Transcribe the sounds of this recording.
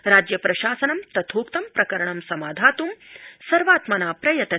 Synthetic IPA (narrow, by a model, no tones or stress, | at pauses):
ɾaːd͡ʒjɐpɾɐʃaːsɐnɐmt̪ɐt̪ʰoːpt̪ɐmpɾɐkɐɾɐɳɐmsɐmaːd̪ʱaːt̪umsɐɾʋaːt̪mɐnaːpɾɐjɐt̪ɐ